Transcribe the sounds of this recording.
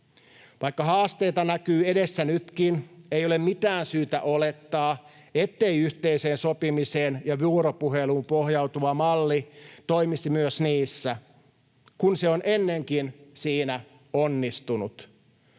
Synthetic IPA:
ʋɑikːɑɦɑːst̪ejt̪ɑnækyːe̞desːænyt̪kinejo̞lemmit̪æːnsyːt̪æ̰ʔole̞t̪ːɑː | et̪ːeiyht̪eiseːnso̞pimiseːnjɑʋuːɾopuɦeluːmpohjɑwt̪uʋɑmɑlːit̪o̞imisimyøsniːsːæ | kunse̞onʔenːeŋkinsiːnæ | onːist̪unut̪

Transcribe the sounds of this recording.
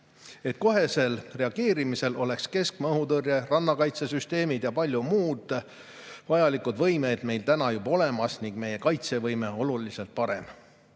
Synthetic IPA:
e̞t̪̚ko̞ɦe̞se̞lre̞ɑɡ̥e̞ːɾimise̞lo̞le̞kske̞skmɤɦut̪ɤrjerɑnːɑkɑjt̪se̞syst̪e̞ːmid̪̥jɑpɑlʲjumuːd̪̥ | vɑjɑlikud̪vɤjme̞d̪̥me̞jlt̪ænɑjubɑo̞le̞mɑsniŋɡ̥me̞je̞kɑjt̪se̞vɤjme̞o̞lulise̞lt̪̚pɑɾe̞m

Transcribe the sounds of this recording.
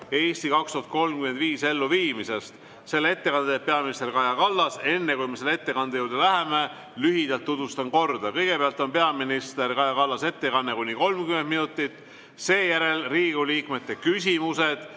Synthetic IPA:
e̞ːsʲt̪ikɑkst̪uhɑt̪̚ko̞lmkymend̪viːse̞lːuviːmise̞st̪ | se̞lːee̞t̪ːe̞kɑnepeɑminist̪erkɑjɑkɑlːɑse̞nːe̞kujmeselːe̞t̪ːe̞kɑnd̪ejuːɾd̪̥elæɦeme | lyɦid̪̥ɑlt̪ːut̪vust̪ɑnko̞rd̪̥ɑkɤjɡ̥e̞peɑlt̪ːˑo̞npe̞ɑminist̪erkɑjɑkɑlːɑse̞t̪ːe̞kɑnːekunʲːiko̞lmkymend̪minut̪ːˑit̪ːˑ | se̞ːjæɾe̞lriːɡ̥uliːkme̞t̪ːe̞kysʲimuse̞d̪̥

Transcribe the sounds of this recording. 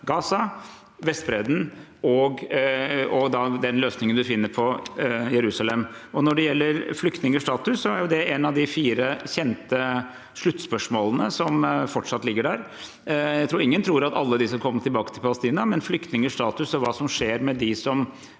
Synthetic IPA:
ɡɑːsɑ | ʋɛst̪̚bɾɛd̪n̩ɔɡ | ɔd̪ɑd̪ɛnløːsnɪŋənd̪ʉfɪnːəɾpʰɔjɛɾʉːsɑlɛmɔnɔɖɛjɛlːəɾflʏkt̪nɪŋəʂʈɑːt̪ʉsːɔæɾjʊd̪ɛɛnɑʋd̪ɪfiːɾəçɛnt̪ə | ʂɭʉt̪ːspœʂmoːlˠənəsɔmfɔʈʂɑt̪lɪɡːəɖæɾ | jæɪt̪ɾuːɾɪŋːənt̪ʰɾuːɾɑt̪ɑ̰lːəd̪ɪsɔkʰɔmːət̪ʰɪlbɑːkə̥t̪ʰɪlpʰɑləst̪iːnɑmɛnflʏkt̪nɪŋəʂʈɑːt̪ʉsɔʋɑːsɔmʂeːɾmɛd̪ɪsɔm

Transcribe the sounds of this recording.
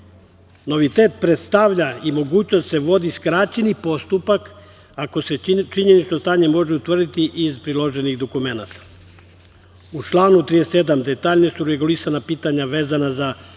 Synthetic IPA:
no̞ʋit̪e̞ːt̪̚pɾet̪st̪aʋʎaimo̞ɡuːt͡ɕnost̪se̞ʋo̞d̪iskɾaːt͡ɕenipo̞st̪upak | ako̞se̞t͡ʃiɲe̞nit͡ʃnost̪aːɲe̞mo̞ʒeut̪ʋrd̪it̪iʔizpɾilˠo̞ʒe̞niɣd̪o̞kume̞nat̪ḁ | ut͡ʃlˠaːnut̪ɾijest̪e̞d̪amd̪e̞t̪aːʎnesuɾeɡulisanapiːt̪aɲaʋe̞ːzanaza

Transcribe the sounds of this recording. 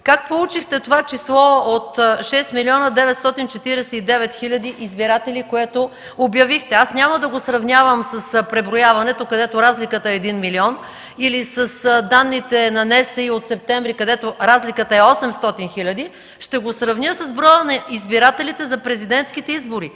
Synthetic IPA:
kak̚polˠut͡ʃixt̪ɛt̪ovat͡ʃislˠɔot̪ʃɛst̪miliɔnəd̪ɛvɛt̪st̪ɔt̪int͡ʃɛt̪iɾɛsɛid̪ɛvɛt̪xilʲɐd̪iʔizbiɾat̪ɛlikoɛt̪o | objɐvixt̪ɛasnʲaməd̪ɐɡosɾɐvnʲavəmsəspɾɛbɾojavɐnɛt̪okɐd̪ɛt̪oɾazlikət̪əɛːd̪inmiliɔn | ilisɐsd̪anːit̪ɛnɐnɛsɛiot̪sɛp̚t̪ɛmvɾikɐd̪ɛt̪oɾazlikət̪əɛɔsɛmst̪ɔt̪inxilʲɐd̪i | ʃt̪ɛɡosɾɐvnʲəsɐzbɾɔjənɐizbiɾat̪ɛlit̪ɛzɐpɾɛzid̪ɛnt̪skit̪ɛizboɾi

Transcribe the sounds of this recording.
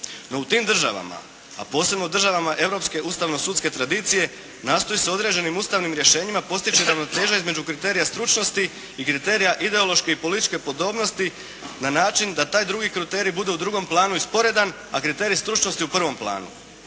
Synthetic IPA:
no̞ut̪iːmd̪r̩ʒa̰ʋa̰ma̰ | a̰po̞ːse̞bno̞ud̪r̩ʒaʋamaʔe̞ʋɾo̞pske̞ʔust̪aʋno̞suːt̪ske̞t̪ɾad̪iːt̪sije̞ | naːst̪o̞jiseo̞d̪ɾe̞d͡ʑe̞nimust̪aʋnimɾje̞ʃe̞ːɲimapo̞st̪it͡ʃiɾaʋno̞t̪e̞ːʒaizme̞d͡ʒukɾit̪e̞ːɾijast̪ɾut͡ʃno̞st̪iː | kɾit̪e̞ːɾijaʔid̪e̞o̞lˠo̞ʃkeipo̞lit̪it͡ʃke̞po̞d̪o̞ːbno̞st̪i | nanaːt͡ʃind̪at̪aːjd̪ɾuɡikɾut̪e̞ːɾibud̪e̞ud̪ɾuɡo̞mplˠaːnuispo̞ɾe̞d̪an | akɾit̪e̞ːɾist̪ɾut͡ʃno̞st̪iupr̩ʋo̞mplˠa̰ːnṵ

